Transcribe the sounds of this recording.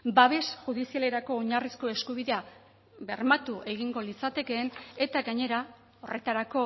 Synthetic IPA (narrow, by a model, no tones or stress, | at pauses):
baβ̞e̞sʝuð̞isiale̞ɾako̞ːɲarisko̞e̞skuβ̞iðe̞a | βe̞ɾmat̪uʔe̞ɣiŋɡo̞lit͡sat̪e̞ke̞ːne̞t̪aɡaɲe̞ɾa | o̞re̞t̪aɾako̞